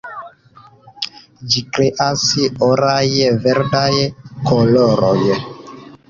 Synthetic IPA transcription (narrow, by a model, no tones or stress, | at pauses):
d͡ʒikɾeʔasiɔɾajevɛɾdajekɔlɔɾɔ̰je